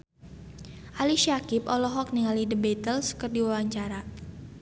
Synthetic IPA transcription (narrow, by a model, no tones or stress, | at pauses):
ʔaliʃiakɪpɔlɔɦɔk̚niŋalidəbɛt̪əlskərdiwawaɲt͡ʃaɾa